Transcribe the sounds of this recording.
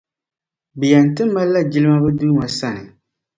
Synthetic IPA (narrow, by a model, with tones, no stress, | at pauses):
bi˨ja˨n̩˨tɨ˦mː˦a˦la˦d͡ʒi˦lɨ˦ma˦bɨ˦duː˦ma˨sa˦nɨ˨